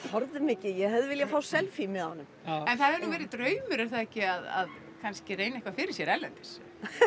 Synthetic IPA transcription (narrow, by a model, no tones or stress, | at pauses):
hɔɾðʏmɪːcɪjɛhɛðʏvɪljafaːwsɛlfimɪðahanʏmɛnθaðɛɾnuːvɛːɾɪt̪ɾœːɥmʏɾɛɾ̥θaðɛcɪaða̰ð | kʰanscɪreːjnaɛhkvafɪɾɪɾ̥sjɛɾɛlɛnt̪ɪ̥s